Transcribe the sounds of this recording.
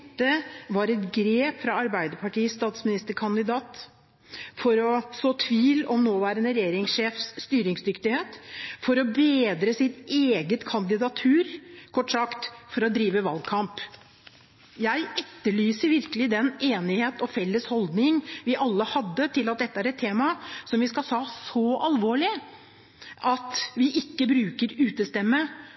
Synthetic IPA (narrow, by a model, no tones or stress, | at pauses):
t̪ːəʋɑɾɛt̪ɡɾeːpfɾɑɑɾbæɪd̪əpʰɑʈiːəst̪ɑːt̪smɪnɪst̪əkʰɑnd̪ɪd̪ɑːt̪ | fɔɾɔsoːt̪ʰʋiːlɔmnoːʋæːɾənəɾɛjeːɾɪŋsʂeːfsst̪yːɾɪŋsd̪ʏkt̪ɪheːt̪fɔɾɔbeːd̪ɾəsɪt̪eːɡət̪kʰɑnd̪ɪd̪ɑt̪ʰʉːɾkʰɔʈːsɑkt̪fɔɾɔd̪ɾiːʋəʋɑlɡkʰɑmp | jæɪʔɛt̪ːəɭyːsəɾʋɪɾkəlɪd̪ɛneːnɪheːt̪ɔfɛlːəshɔld̪nɪŋʋɪʔɑlːəhɑd̪ːət̪ʰɪlːɑt̪̚d̪ɛt̪ːəæɾɛt̪ʰːeːmɑsɔmʋɪskɑlhɑːsɔɑlʋoːɭɪ | ʔɑt̪ʋɪʔɪkːəbɾʉːkəɾʉːt̪əst̪ɛmːə